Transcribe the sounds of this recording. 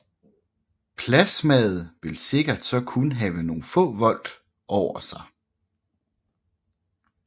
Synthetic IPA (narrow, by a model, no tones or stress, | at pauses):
pʰlæsmɛð̩ˠʋe̝lse̝ɡ̥ɐd̥sɒ̽kʰunɦɛːʊəno̝ːn̩fɔ̰̽ːʋɒ̽l̰d̥ | ʔɒʊ̰ɐsɑ̈ɪ